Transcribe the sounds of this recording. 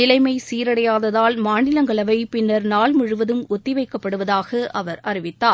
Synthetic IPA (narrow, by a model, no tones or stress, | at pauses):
nɪlɐɪmɐɪsiːɾɐɽɐjaːðɐðaːlmaːnɪlɐŋɡɐɭɐʋɐɪpɪnːɐɾnaːlmʊɻɯʋɐðɯmɔt̪ːɪʋɐɪkːɐpːɐɽɯʋɐðaːɣɐʔɐʋɐɾɐrɪʋɪt̪ːaːɾ